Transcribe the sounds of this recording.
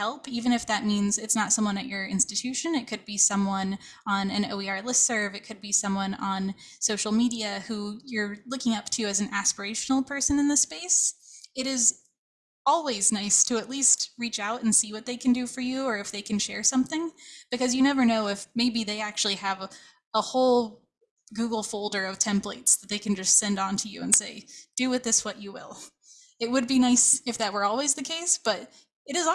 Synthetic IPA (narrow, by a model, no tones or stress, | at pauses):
hɛlˠpivɨ̃ñɨfðɨt̚mĩnzɨtsnətsʌ̃mwʌ̃ñɨt͡ʃə˞ɪ̃nstɨtʰʉʃɨ̃nɨt̚kʰɨd̚bisʌ̃mwʌ̃n | ə̃nɨ̃no̰ʊwiɑ˞lɪsɜ˞vɨt̚kʰɨd̚bisʌ̃mwʌ̃nə̃n | soʊʃl̩ˠmiɾiɨhujə˞lʊkɪ̃ŋʌp̚tʰɨɨzn̩æspə˞eɪʃn̩l̩ˠpʰɜ˞sɨ̃nɨ̃nðɨspeɪsɨɾɪz | ɔlˠwiznaɪstʰɨːtˡlist̚ɹit͡ʃaʊɾn̩siwʌt̪̚ðeɪkʰɨ̃ndɨfə˞jʉə˞ɨfðeɪkʰɨ̃n̩ʃɛɹsʌ̃mθɪ̃ŋb̥ɨkʌzjɨnɛvə˞noʊɪfmeɪbiðeɪæk̚t͡ʃʉl̩ˠiɨv | əhoʊlˠ | ɡuɡl̩ˠfoʊlˠdə˞ʌv̥tʰɛ̃mplḛɪtsðət̪̚ðeɪkʰɨ̃n̩d͡ʒʌstsɛ̃ndn̩tʰɨjʉ̰ɨ̰̃nseɪd̥ɨwɨðɪswʌt͡ʃɨwɪ̰lˠ | ɨt̚wɨd̚binaɪsɨfðɨt̚wə˞ɔlˠwizðɨkʰeɪsb̥ʌɾ | ɨɾɨz